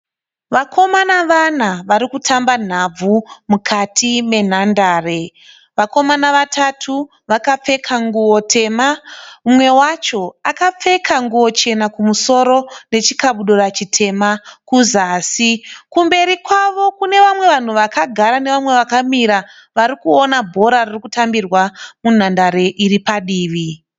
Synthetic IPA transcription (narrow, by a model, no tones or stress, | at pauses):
ʋakʰo̞manaʋan̤aʋaɾikutʰamban̤ab͡vumukʰatʰime̞n̤andaːre | ʋako̞manaʋatʰatʰu | ʋakap͡fe̞kʰaŋɡuwotʰe̞mamumwe̞wat͡ʃo̞akap͡fe̞kʰaŋɡuwo̞t͡ʃe̞nakumuso̞ɾo̞ne̞t͡ʃikaɓuɗoɾat͡ʃitʰe̞makuzaːsikumbe̞ɾikwaʋo̞kune̞ʋamwe̞ʋan̤uʋakaɡʱaɾane̞ʋamwe̞ʋakamiɾa | ʋaɾikuonabʱo̞ɾaririkutambirwamun̤andaɾe̞ʔiɾipaɗiːʋi